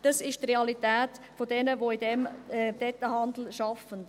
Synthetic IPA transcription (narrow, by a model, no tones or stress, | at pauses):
d̥ɑsɪʃtreɑlitɛːtfodɛnəʋoidɛmɛdɛtːəhɑnd̪l̩ʃɑfən